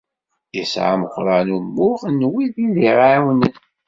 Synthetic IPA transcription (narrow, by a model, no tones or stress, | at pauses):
əsʕa̰məχʷɾˤənumːʊʁnːwiðiðiʁawnən